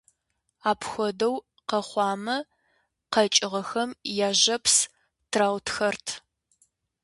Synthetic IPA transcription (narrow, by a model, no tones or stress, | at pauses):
aːpʰxʷɔdɐw | qɐχʷɑːmɐ | qɐt͡ʃʼɪʁɐxɐmjaːʑɐpʰs | tʰraːwtxɐrtʰ